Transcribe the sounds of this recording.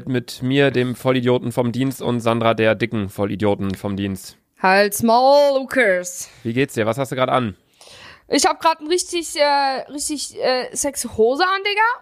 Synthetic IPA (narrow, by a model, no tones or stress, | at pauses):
tmɪtmiːɐdeːmfɔlidjoːtn̩fɔmdiːnstʊ̰ntz̥andʁadeːɐdɪkŋ̩fɔlḭdjoːtn̩fɔmdiːnst | halsmaʊːukʰəsviːɡeːtsd̥iːɐvashastd̥uːɡʁaːdəʔan | ʔɪçhaːbəɡʁaːtn̩ʁɪçtɪçʔɛːʁɪçtɪçɛːsɛkshoːzəanlɪːɡɐ